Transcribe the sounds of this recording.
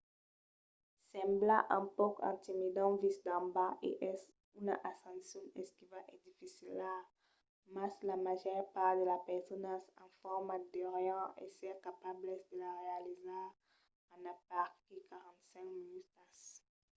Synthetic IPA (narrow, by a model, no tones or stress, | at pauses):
sɛ̃mblaʔɛ̃pɔkɛ̰̃nt̪imid̪ɑ̃visd̪ɑ̃mbaʔḛʔɛs | ynaʔasɑ̃nsjɔ̃nɛskivaʔed̪ifisila | maslamaʒœʁpaʁtd̪əlapɛʁsɔnasɑ̃fɔʁmad̪ɔʁjɑ̃ḛsɛʁkapablɛsd̪əlaʁealizaʁ | ãnapaʁkikaʁɑ̃nt̪sɛ̃ŋkminyt̪as